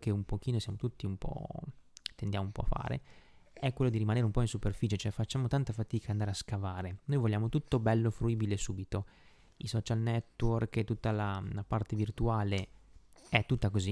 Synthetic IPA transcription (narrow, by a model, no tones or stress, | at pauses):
k̟eumpokiːnosjaːmot̪ut̪ːiumpɔ̰ | t̪end̪jaːmoumpɔ̰fa̰ːɾḛɛkːwelːod̪iɾimaneːɾeumpɔinsuperfiːt͡ʃet͡ʃoɛfat͡ʃːaːmot̪ant̪afat̪iːkand̪aːɾeaskavaːɾenojvolːjaːmot̪ut̪ːobɛlːofɾuiːbilesuːbit̪o | isɔːt͡ʃalnɛt̪ːworkt̪ːut̪ːalalapart̪evirt̪uaːle | ɛt̪ːut̪ːakozi